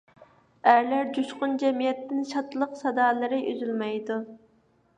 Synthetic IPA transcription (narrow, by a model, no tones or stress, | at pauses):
æɾlæɾd͡ʒuʃqʊnd͡ʒɛmijɛt̪ːɪnʃɑt̪lˠəqsɑd̪ɑːlˠɨɾɪʔy̰zylmɛjd̪u